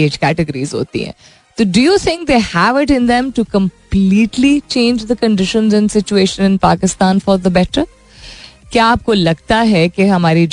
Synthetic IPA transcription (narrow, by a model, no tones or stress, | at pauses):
eːd͡ʒkæʈɪɡəɾizɦo̰ːt̪ḭɦɛ̰̃ | t̪oːɖujut̪ʰɪ̃ŋk̚d̪eːhæʋɪʈɪ̃nd̪ɛ̃mʈukə̃mpliːʈlit͡ʃẽːnd͡ʒd̪əkə̃ɳɖɪʃə̃nzɛ̃nsɪt͡ʃueːʃə̃nɪ̃npaːkɪst̪ãːnfɔɾd̪əbɛʈəɾ | kjaːp̚kolɐɡt̪aɦɛkeɦɐmaːɾid͡ʒ